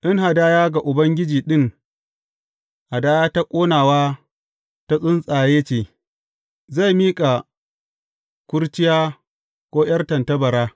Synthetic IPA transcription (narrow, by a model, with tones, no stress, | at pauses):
ʔɪ˦ŋɦa˨daː˦jaː˦ɡa˨ʔʊ˨bɐ˦ŋɡʲɪ˦d͡ʒiː˨ɗɪ˦ŋ | ha˨daː˦jaː˦ta˦kʷʼoː˦naː˨waː˦ | ta˦sʼʊ˦nsʼaː˨jeː˦t͡ʃeː˨ | za˦˨jmiː˦kʼa˨ | kʷʊ˦ɽt͡ʃɪ˦jaː˦ | kʷoː˦j̰ɐ˦rtɐ˨ntɐ˦bɐ˨ɽaː˦